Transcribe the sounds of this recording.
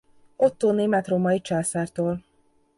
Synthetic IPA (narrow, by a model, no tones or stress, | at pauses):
ot̪ːoːneːmɛt̪romɒit͡ʃaːsaːrt̪oːl